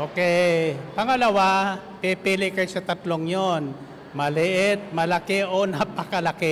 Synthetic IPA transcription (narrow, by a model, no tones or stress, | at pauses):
ʔo̞ːkɛjpɐŋɐlɐwa | pipilɪkɐjosɐt̪ɐt̪loŋjon | mɐlɪʔɪt̪̚mɐlɐkɪʔonapɐkɐlɐke